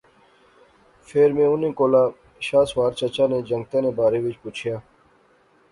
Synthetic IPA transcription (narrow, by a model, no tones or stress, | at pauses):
fʰeːɾmẽːunẽːkoːlaː | ɕaːswaːɾt͡ɕət͡ɕaːnẽːd͡ʑəŋɡ̚t̪anẽːbaːɾeːʋit͡ʃput͡ʃʰjaː